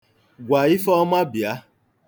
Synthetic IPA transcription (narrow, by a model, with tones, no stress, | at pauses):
ɡʷa˨i˦fɔ˦ma˦bja˨˦